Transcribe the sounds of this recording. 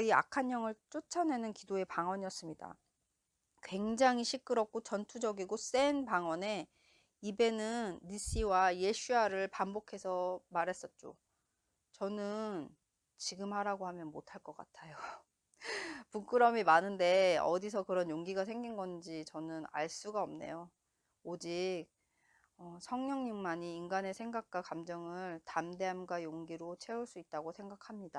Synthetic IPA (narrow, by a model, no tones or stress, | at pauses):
ia̰kʰaɲːʌŋɯɭt͡ɕ͈ot͡ɕʰʌne̞nɯnkidoe̞paŋwʌɲiʌs͈ɯmɲida̰ | kwe̞ŋd͡ʑaŋiɕʰik͈ɯɾʌp̚k͈ot͡ɕʌntʰud͡ʑʌɡiɡos͈e̞npaŋwʌne̞ | ibe̞nɯnːis͈iwaje̞ɕʰiaɾɯɭpambokʰe̞sʰʌmaɾɦe̞s͈ʌt̚t͡ɕ͈o̰ | t͡ɕʌnɯn | t͡ɕiɡɯmhaɾaɡoɦhamjʌnmotʰaɭk͈ʌk͈a̰tʰajo | puk͈ɯɾʌmimanɯnde̞ʌ̰dis̬ʰʌkɯɾʌnjoŋɡiɡas̬ʰe̞ŋɡinɡʌnd͡ʑit͡ɕʌnɯna̰ɭs͈uɡaʌmne̞̰jo | od͡ʑik̚ | ʌsʰʌŋɲʌŋɲiŋmaɲiːnɡane̞sʰe̞ŋɡak̚k͈wakamd͡ʑʌŋɯɭtamde̞amɡwajoŋɡiɾot͡ɕʰe̞uɭs͈uit̚t͈aɡosʰe̞ŋɡakʰamɲida